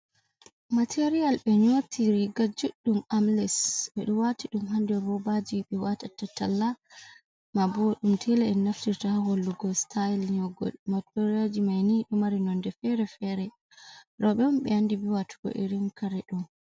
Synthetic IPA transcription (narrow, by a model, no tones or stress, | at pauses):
matʰeɾijalɓɛɲotʰiɾiɡad͡ʒuɗːumamlɛsɓɛɗuwatiɗumɦandɛbɔbad͡ʒiɓɛwatatːatalːa | mabɔɗumtʰɛlɛːnaftiɾtahaholːuɡɔstʰailɲɔɡɔ̰lmatoɾad͡ʒimajniɗumaɾinɔndɛfɛɾɛfɛɾɛ | ɾɔɓɛumɓɛandibiwatu̥kɔ̰ʔḭɾinkʰaɾɛɗum